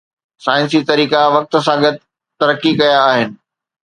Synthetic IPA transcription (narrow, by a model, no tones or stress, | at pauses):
saːɪ̃nsit̪ɐɾiːkaʋɐk̚t̪̆s̬ãɡɐd̪ʱɪ | t̪ːɐɾəkːikɐjaːɦɪnɪ̆